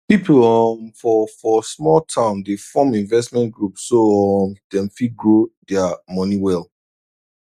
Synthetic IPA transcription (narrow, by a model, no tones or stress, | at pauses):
pipulɔmfɔfɔsmɔltʰãʊ̃ndefɔ̃mĩnvɛs̬mɛ̃ntɡɹupsːoɔmd̥ɛ̃nfit̚ɡɹodɛamɔniwɛlˠ